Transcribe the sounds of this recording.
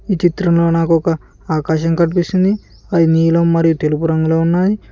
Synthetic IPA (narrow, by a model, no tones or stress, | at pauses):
iːt͡ʃit̪ɾɐmlo̞ːnaːkuɔkɐ | aːkaːʃɐŋkɐnipist̪ind̪i | adiniːlɐmːɐɾijut̪e̞lupuɾɐŋɡuloːunːaːji